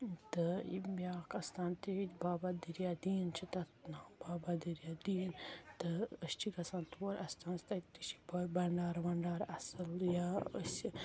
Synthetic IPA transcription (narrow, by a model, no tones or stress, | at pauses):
t̪ɨibʲaːkɐst̪aːnt̪iit̪ʲbaːbad̪iɾjad̪iːnt͡ʃʰit̪ɐt̪nabaːbad̪iɾjad̪iːnt̪ɨəst͡ʃʰikɐsaːnt̪wɐɾʔɐst̪ʰaːnst̪ɐt̪ːit͡ʃʰi̥bɐbɐɳɖaːɾʋɐɳɖaːɾɐsɐljaə̰si